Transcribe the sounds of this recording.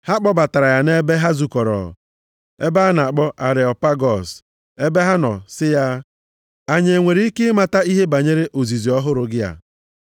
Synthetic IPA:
ha˦k͡pɔ˦ba˨ta˨ɾa˨ja˨ne˦be˦ɦa˦zu˨kɔ˨ɾɔ̰˨ | e˦ba˦na˨k͡pɔ˦ʔa˨ɾɪ˨ɔ˨pa˦ɡɔ˨s | e˦be˦ɦa˦nɔ̰˨sɪ˦ja˦ | a˨ɲe˨e˨ŋʷe˨ɾi˦i˦ke˦ma˨ta˦i˦ɦe˦ba˨ɲe˦ɾe˦ʔo˨zi˨zi˨ɔ˦ɦʊ˦ɾʊ˨˦ɡɪ˦ja̰˨

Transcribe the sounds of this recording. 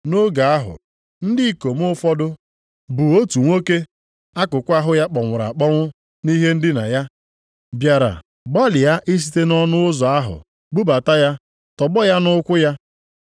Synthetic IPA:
no˦ɡa˨a˦ɦʊ̰˨ | n̩˦dɪ˦˨ko˨m˦ʊ˦fɔ˦dʊ˦ | bu˨o˦tu˨ŋʷo˦ke˦ | a˦kʊ˨kʷa˦ɦʊ˦ja˦k͡pɔ˨ŋʷʊ˨ɾa̰˨k͡pɔ˦ŋʷʊ˦ | ni˦ɦe˦n̩˦dɪ˦na̰˨ja˦ | bja˨ɾa̰˨ | ɡ͡ba˦lɪ˨ja˦ʔɪ˦s̬i̥˦te˦nɔ˦nʊ˦ʊ˦zɔ˨a˦ɦʊ̰˨ | ɡ͡bu˦ba˨ta˦ja˦ | tɔ˨ɡ͡bɔ˦ja˦nʊ˦kʷʊ˦ja˦

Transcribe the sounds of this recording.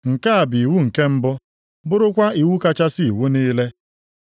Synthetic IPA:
ŋ̩˨ka˦a˨bi˨i˨wu˦ŋ̩˨ke˦m̩˦bʊ˦ | bʊ˦ɾʊ˦kʷa˦i˨wu˦ka˦t͡ʃa˦si˦i˨wu˦ni˦le˦

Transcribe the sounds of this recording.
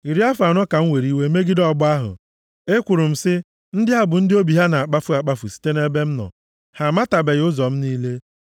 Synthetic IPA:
i˨ɾi˦a˦fa˨nɔ˦ka˨ŋ̩˦we˨ɾi˦we˦me˦ɡɪ˦dɔ˦˨bʊ˦a˦ɦʊ̰˨ | e˦kʷʊ˨ɾʊ˨m̩˨sɪ˦ | n̩˦dɪ˦ɦa˨bʊ˨n̩˦dɪ˦o˦bi˨ɦa˦na˨a˨k͡pa˦fʊ˦a˨k͡pa˦fu˨si̥˨te˦ne˦be˦m̩˦nɔ̰˨ | ha˨ma˦ta˨be˨ɣʊ˦zɔ˨m̩˦niː˦le˦

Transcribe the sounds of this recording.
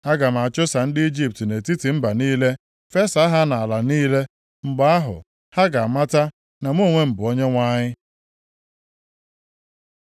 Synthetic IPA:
a˦ɡa˨m̩˨a˨t͡ʃʊ˦sa˨n̩˦dɪ˦i˦d͡ʒi˦p̚tne˨ti˦ti˨m̩˦ba˨niː˦le˦ | fe˦sa˦ɦa˦na˨a˨la˨niː˦le˦ | ŋ͡m̩˨ɡ͡ba˦a˦ɦʊ̰˨ | ha˦ɡa˨a˨ma˦ta˦ | na˨m˦o˦˨ŋʷe˦m̩˨bʊ˨ɔ˦ɲe˦ŋʷa˦ɲɪ˦

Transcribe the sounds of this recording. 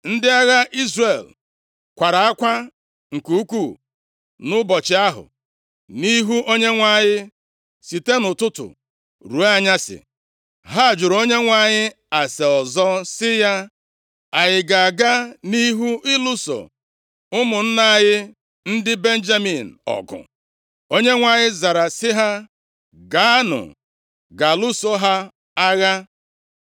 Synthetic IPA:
n̩˦dɪ˦a˦ɣa˦ʔi˦zre˨l | kʷa˨ɾa˨a˦kʷa˦ | ŋ̩˨ku˨u˦ku˦˨ | nʊ˦bɔ˨t͡ʃɪ˨a˦ɦʊ̰˨ | ni˦ɦu˦ʔo˦ɲe˦ŋʷa˦˨ɲɪ˦ | si˨te˦nʊ˨tʊ˦tʊ̰˨ | ɾu˨˦a˦˨ɲa˦sɪ̰˨ | ɦa˦˨d͡ʒʊ˨ɾo˦ɲe˦ŋʷa˦˨ɲɪ˦ | a˨se˨ɔ˨zɔ˦sɪ˦ja˦ | a˨ɲɪ˨ɡa˨a˨ɡa˦ni˦ɦu˦ɪ˦lu˦so̰˨ | ʊ˦mʊ˨n̩˦na˦jɪ˦ | n̩˦dɪ˦be˦n̩˦d͡ʒa˦mi˨n̩˨ɔ̰˨ɡʊ̰˨ | o˦ɲe˦ŋʷa˨ɲɪ˦za˨ɾa˨sɪ˦ɦa˦ | ɡa˨˦nʊ̰˨ | ɡa˨lʊ˦so˦ɦa˦ | a˦ɣa˦

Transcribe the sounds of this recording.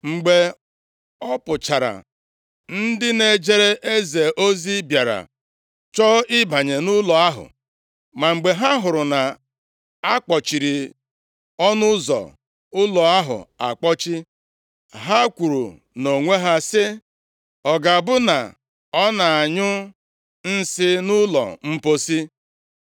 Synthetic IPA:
ŋ͡m̩˨ɡ͡be˨ | ɔ˦pʊ˨t͡ʃa˨ɾa̰˨ | n̩˦dɪ˦ne˨d͡ʒe˦ɾe˦ʔe˦ze˨ʔo˦zi˦bja˨ɾa̰˨ | t͡ʃɔ˦ʔɪ˦ba˨ɲe˨nʊ˦lɔ˨a˦ɦʊ̰˨ | ma˨ŋ͡m̩˨ɡ͡be˨ɦa˦ɦʊ˨ɾʊ˨na˨ | a˦k͡pɔ˨t͡ʃi˨ɾi˨ | ɔ˦nʊ˦zɔ̰˨ | ʊ˦lɔ˨a˦ɦʊ̰˨a̰˨k͡pɔ˦t͡ʃi˦ | ɦa˦kʷu˨ɾṵ˨ | no˨ŋʷe˦ɦa˦sɪ˦ | ɔ˨ɡa˨bʊ˦na̰˨ | ɔ˦na˨a˨ɲʊ˦ | n̩˦sɪ˦nʊ˦lɔ̰˨m̩˦po˦si˦

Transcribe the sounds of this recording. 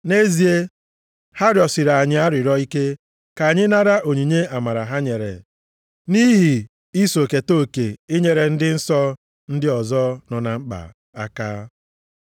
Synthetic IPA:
ne˦zi˨e˦ | ha˦ɾjɔ˨sɪ˨ɾa˨a˨ɲɪ˨a˦ɾɪ˨ɾɔ˦i˦ke˦ | ka˨a˨ɲɪ˦na˦ɾa˦ʔo˨ɲi˨ɲe˦a˨ma˨ɾa˨ɦa˦ɲe˨ɾḛ˨ | ni˦ɦi˨ | i˦so˨ke˨to˦˨ke˨ɪ˦ɲe˨ɾe˨n̩˦dɪ˦n̩˦sɔ˦ | n̩˦dɪ˦ɔ˨zɔ˦nɔ˨na˨ŋ͡m̩˦k͡pa̰˨ | a˦kaː˦

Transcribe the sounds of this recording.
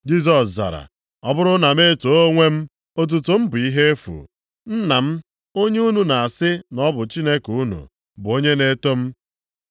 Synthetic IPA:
d͡ʒi˦s̬ɔ˨sza̰˨ɾa̰˨ | ɔ˦bʊ˦ɾʊ˦na˨me˦to˨˦o˦ŋʷe˦m̩˦ | o˦t̬u˨tʊ˨m̩˦bʊ˨i˦ɦe˦e˦fṵ˨ | n̩˦na˨m̩˦ | o˦ɲe˦u˦nu˨na˨a˨sɪ˦nɔ˦bʊ˨t͡ʃi˦ne˦ku˦nṵ˨ | bʊ˨o˦ɲe˦ne˦to˦m̩˦

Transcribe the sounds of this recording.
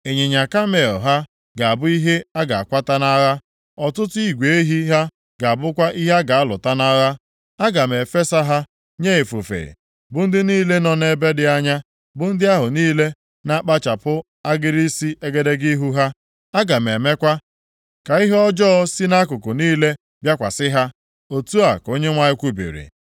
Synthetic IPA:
e˨ɲe˨ɲa˨ka˦me˨ɔ̰˨ɦa˦ | ɡa˨a˨bʊ˦i˦ɦe˦a˦ɡa˨a̰˨kʷa˦ta˦na˦ɣa˦ | ɔ˨tʊ˦tʊ˦i˦ɡʷe˨˦ɦi˦ɦa˦ | ɡa˨a˨bʊ˦kʷa˦ʔi˦ɦa˦ɡa˨a˦lʊ̰˨ta˦na˦ɣa˦ | a˦ɡa˨me˨fe˦sa˦ɦa˦ | ɲe˦e˨fo˨fḛ˨ | bʊ˨n̩˦dɪ˦niː˦le˦nɔ˦ne˦be˦dɪ˦a˦ɲa˦ | bʊ˨n̩˦dɪ˦a˦ɦʊ˨niː˦le˦ | na˦k͡pa˦t͡ʃa˨pʊ˦ | a˦ɡɪ˦ɾi˦si˦ʔe˦ɡe˦de˦ɡi˦ɦu˦ɦa˦ | a˦ɡa˨me˨me˦kʷa˦ | ka˨i˦ɦɔ˦d͡ʒɔ˦ɔ˦si˦na˦kʊ˨kʊ˨niː˦le˦ | bja˦kʷa̰˨sɪ˦ɦa˦ | o˨tu˦a˨ko˦ɲe˦ŋʷa˦ɪ˦kʷu˦bḭ˨ɾḭ˨

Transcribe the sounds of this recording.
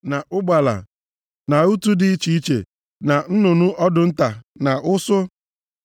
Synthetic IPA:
na˨ʔʊ˦ɡ͡ba˨la̰˨ | na˨u˦tu˦dɪ˨i˦t͡ʃi˦i˦t͡ʃḛ˨ | na˨n̩˦nʊ˨nʊ˦ʔɔ˦dʊ˨n̩˦ta˨na˨ʊ˦sʊ˦

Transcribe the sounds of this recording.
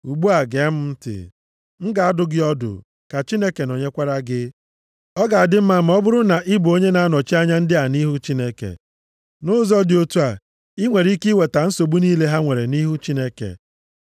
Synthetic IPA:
u˨ɡ͡bu˦a˨ɡe˨˦m̩˦m̩˦tɪ̰˨ | ŋ̩˦ɡa˨a˦dʊ˨ɡɪ˦ɔ˦dʊ̰˨ | ka˨t͡ʃi˦ne˦ke˨no˨ɲe˦kʷa˦ɾa˦ɡɪ˦ | ɔ˦ɡa˨a˨dɪ˦m̩˦ma˦˨m̩˨˦ɔ˦bʊ˦ɾʊ˦na˨ʔi˦bu˨o˦ɲe˦na˨a˦nɔ˨t͡ʃi˦a˦ɲa˦n̩˦dɪ˦a˨ni˦ɦu˦t͡ʃi˦ne˦kḛ˨ | nʊ˦zɔ˦dɪ˨o˦tu˦a˨ | i˦ŋʷe˨ɾi˦ki˦we˨ta˨n̩˦so˨bu˦ni˦le˦ɦa˦ŋʷe˨ɾe˨ni˦ɦu˦t͡ʃi˦ne˦kḛ˨

